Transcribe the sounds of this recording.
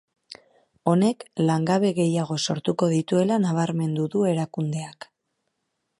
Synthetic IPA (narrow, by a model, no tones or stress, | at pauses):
o̞ne̞klaŋɡaβe̞ɣe̞jaɣ̞o̞so̞ɾt̪uko̞ðit̪ue̞lanaβ̞aɾme̞nd̪uðue̞ɾakund̪e̞ak